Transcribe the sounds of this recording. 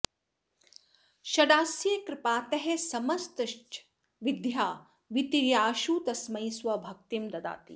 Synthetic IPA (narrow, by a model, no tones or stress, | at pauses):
ʃɐɖaːsjɐkɾɪpaːt̪ɐɦesɐmɐst̪ɐʃʈ | ʋid̪ʱjaː | ʋit̪iɾjaːʃuːt̪ɐsmɐjswɐbʱɐk̚t̪imd̪ɐd̪a̰ːt̪ḭ